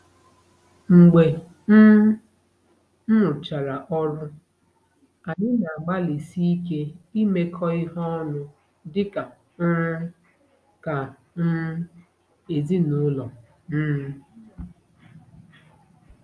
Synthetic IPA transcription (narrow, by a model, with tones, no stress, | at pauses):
ŋ͡m̩˨ɡ͡be˨ | n̩˦ | m̩˦mʊ˨t͡ʃa˨ɾa˨ʔɔ˦ɾʊ˦ | a˨ɲɪ˦na˨a˨ɡ͡ba˦li˨si˦i˦ke˦i˦me˦kʰɔ˦ɪ˦ɦɔ˦nʊ˦ | dɪ˦ka˨˦ | ka˨ | n̩˦ | e˨zi˦nu˦lɔ˨ | m̩˦